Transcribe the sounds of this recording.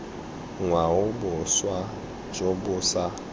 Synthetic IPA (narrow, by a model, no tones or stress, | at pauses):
ŋwaʊbʊswa | d͡ʒobʊsa